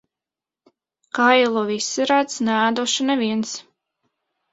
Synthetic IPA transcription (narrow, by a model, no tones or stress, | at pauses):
kajɛlˠuːvisːiɾat̪snɛaːd̪uʃanɛviɛns